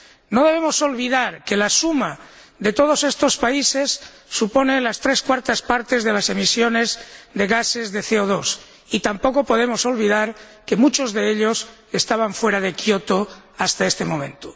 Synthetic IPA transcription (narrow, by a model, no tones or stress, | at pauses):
no̞ðe̞β̞emo̞so̞lβ̞iðaɾke̞lasuma | ðe̞t̪o̞ð̞o̞se̞st̪o̞spaise̞sː | upo̞nelast̪ɾe̞skwaɾt̪aspaɾt̪e̞zðe̞lase̞misjo̞ne̞zðe̞ɣase̞zðe̞θeoð̞o̞s | it̪ampo̞kopo̞ð̞emo̞so̞lβiðaɾ | ke̞mut͡ʃo̞zðeeʎo̞s | e̞st̪aβ̞aɱfwe̞ɾaðekjot̪o | ast̪ae̞st̪e̞mõ̞mẽ̞nt̪u̥